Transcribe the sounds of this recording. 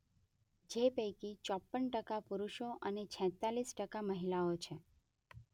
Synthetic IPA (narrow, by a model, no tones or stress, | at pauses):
d͡ʒepəjkit͡ʃɔpːəɳʈəkapuɾuʃoʔənet͡ʃʰɛ̃t̪alisʈəkaməɦilaot͡ʃʰe